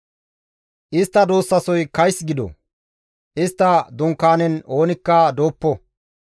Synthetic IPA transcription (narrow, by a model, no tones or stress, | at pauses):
ʔɪst̪ːɐd̪oːsːɐsɔjkɐjsɡɪd̪ɔ̰ | ʔɪst̪ːɐd̪ʊŋkːaːnɛno̞ːnɪkːɐd̪o̞ːpːɔ